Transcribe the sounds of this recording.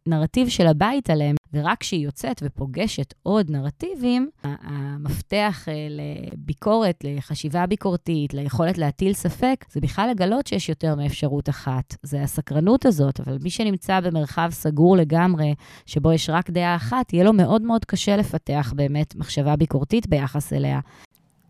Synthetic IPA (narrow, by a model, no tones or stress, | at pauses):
naʁativʃelabaitaleemveʁakʃeijo̞t͡setvepo̞ɡe̞ʃetʔo̞dnaʁativimamafte̞aχelḛbikʰo̞ʁe̞tle̞χaʃivabiko̞ʁtitlejeχo̞letleatilsafe̞kz̥ebiχlalːe̞ɡalo̞tʃejɛʃjo̞te̞ʁmeːfʃaʁutaχatzeasakʁanutazo̞tavalmiʃenimt͡sabe̞meʁχavsaɡuʁle̞ɡamʁe̞ʃe̞bo̞jeʃʁakd̪eaːχatijelo̞me̞ʔo̞dmeodkaʃe̞le̞fateaχbe̞ːmetmaχʃavabiko̞ʁtitbe̞jaχasḛle̞̰a̰